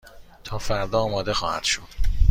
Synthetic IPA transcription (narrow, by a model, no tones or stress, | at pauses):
t̪ʰɒːfæɾd̪ɒːmɒːd̪e̞xɒːhæ̰d̪̥ʃod̪̥